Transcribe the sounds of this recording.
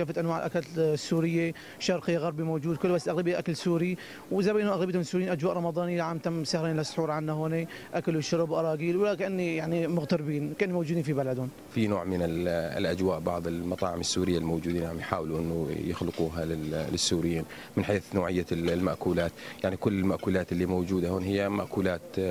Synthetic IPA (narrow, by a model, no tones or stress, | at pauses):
kaːfat̪ʔanwaːʕɪlʔakaːt̪sːuːɾɪjːa | ʃɑɾˤqɪjːaɣɑɾˤbimoːd͡ʒuːd̪̚kʊlːbasːlʔaɣlabɪjːaʔakalsuːɾi | wɪzabiːʔnʊʔaɣlabijt̪amnsːuɾjiːnʔad͡ʒwaːʔɾˤɑmɑd̪ˤɑːnijaʕamt̪amsahɾeːnlɪsˤːħuːɾʕanːahoːni | ʔakalɪʃʊɾbʔɑɾˤɑːɡiːlwlakaʔanːijaʕnimʊɣt̪aɾbiːnkaʔɪnːimowːd͡ʒud̪infibalad̪ʊn | finoːʕmɪnɪl̰lʔad͡ʒwaːʔbɑʕðˤɪlmɑt̪ˤɑ̰ːʕɪmɪsːuːɾɪjːalmoːd͡ʒuːd̪iːnjʔaʕmjħaːwluʔɪnːujɪxlɪquːɦalɪlɪsːuːɾɪjːiːn | mɪnħeːθnoːʕɪjːalmaʔkuːlaːt̪jaʕnikʊlːɪlmaʔkuːlaːt̪ɪlːimowd͡ʒuːd̪ahoːnɦɪjːamaʔkuːlaːt̪